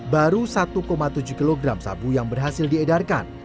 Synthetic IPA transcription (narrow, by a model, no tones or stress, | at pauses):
baɾusat̪ukomat̪ud͡ʒukiloɡɾamsa̰bujaŋbərɦasɪldiɛdarka̰n